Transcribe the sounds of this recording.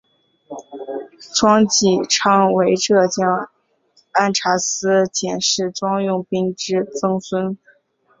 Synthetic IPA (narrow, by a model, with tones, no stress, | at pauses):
ʈ͡ʂwɑ˥ŋt͡ɕi˨˩ʈ͡ʂʰɑ˥ŋwe˧˥ɪʈ͡ʂɤ˥˩t͡ɕjɑ˥ŋ | a˥˩nʈ͡ʂʰa˧˥sɹ̩˥t͡ɕjɛ˨˩nʂɻ̩˥˩ʈ͡ʂwɑ˥ŋjʊ˥˩ŋpi˥ŋʈ͡ʂɻ̩˥t͡sɤ˥ŋswə˥n